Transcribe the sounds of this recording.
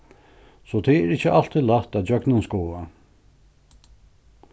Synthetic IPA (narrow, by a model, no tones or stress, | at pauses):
sɔt̪ʰɛɛɾɪt͡ɕːəʔal̥t̪ʰiðlaht̪aðd͡ʒœknʊnskoːa